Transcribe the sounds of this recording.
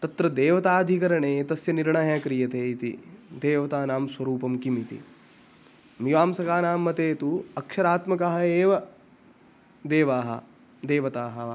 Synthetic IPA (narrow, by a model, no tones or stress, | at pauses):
t̪ɐt̪ɾɐd̪eːʋɐt̪aːd̪ʱikɐɾɐɳeːt̪ɐsjɐniɾɳɐjaːkɾijɐt̪eːit̪ḭd̪eːʋɐt̪aːnaːmswɐɾuːpɐmkimit̪ḭ | miʋaːmsɐkaːnaːmːɐt̪eːt̪uɐkʂɐɾaːt̪mɐkɐɦɐeːʋɐ | d̪eːʋaːɦɐ̰ | d̪eːʋɐt̪aːɦɐ